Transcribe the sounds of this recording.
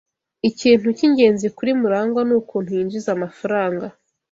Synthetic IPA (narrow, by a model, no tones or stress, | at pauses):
iciːn̥uciɲɟe̞ːnzikuɾimuɾaːŋɡwanuːkuːn̥hujiːnd͡ʒizamafaɾaːŋɡa